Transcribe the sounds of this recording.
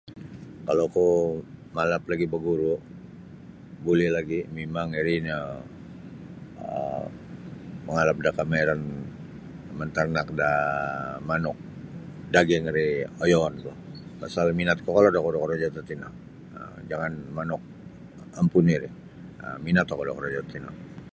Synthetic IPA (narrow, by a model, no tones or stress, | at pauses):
kalokɔmalaplaɡibəɡuɾu | bulɛhlaɡimimaŋiɾina | ə | məŋalap̚dakameɾan | mənt̪arnak̚da | manʊk̚ | daɡɛŋɾiojoant̪ɔpasalminat̪̚kɔkalodakodokoɾod͡ʒat̪at̪ina̰ŋ | ə̰d͡ʒaŋanmanɔk̚ | ampuniɾɪ | əminat̪ɔkadokɔɾod͡ʒat̪t̪ina̰k̚